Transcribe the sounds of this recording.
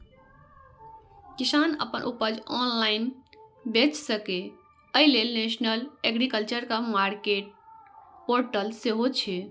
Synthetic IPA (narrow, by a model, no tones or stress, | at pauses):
kisanə̰pənʔupəd͡ʒɔnlainbet͡ʃsəke | əilelnesnəleɡɾikəlt͡ʃəɾkamaɾkeʈ̚poɾʈəlseɦot͡ʃʰɛ